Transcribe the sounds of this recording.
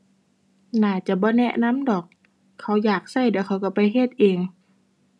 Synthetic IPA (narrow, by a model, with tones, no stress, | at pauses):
naː˧˩t͡ɕa˧˦bɔː˧˦nɛ˧˥ʔna˧˥˨mdɔː˨˩k̚ʰː | a˧˥˩wjaː˨˩k̚sa˧˩˨jdɛː˧˩wkʰa˧˥˩wka˧˩pa˧˦jhe˧˩˨t̪̚ʔeː˧ŋ